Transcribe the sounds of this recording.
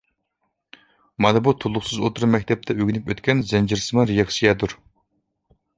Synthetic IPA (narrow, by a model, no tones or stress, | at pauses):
mɑnɨbut̪ʰulˠːʊχsɨzot̪ʰuɾmɛk̚ʲt̪ʰɛp̚t̪ʰɛøɡʲinypøt̪kʲʰɛnzɛnd͡ʒiɾsɨmɨɾejɑkʲsijɛd̪uɾ